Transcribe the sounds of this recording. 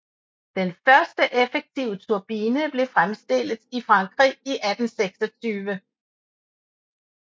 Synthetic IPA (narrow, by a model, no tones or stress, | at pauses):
d̥enfɶɐsd̥əʔefeɡ̥̚t͡sʰiʊ̰ət͡sʰuɐb̥iːnəb̥le̝fʁamsd̥e̝l̰ð̩ˠifʁɑ̈ŋɡ̥ʁḭiʔæd̥n̩seɡ̥sɒ̽t͡sʰyːʋə